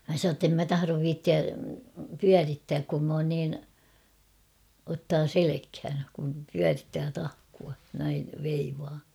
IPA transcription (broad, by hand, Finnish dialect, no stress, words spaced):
mæ sɑnoː tːem mæ tɑhɑroʋ ʋiːtːiæ pyæritːæːk kum m oːn niːn otːɑː selekhæn kum pyæritːæː tɑhkuɑ næiʋ ʋeiʋɑː